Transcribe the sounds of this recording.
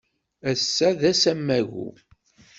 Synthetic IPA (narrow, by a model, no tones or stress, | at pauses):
æsːæðæsæmːæɣṵ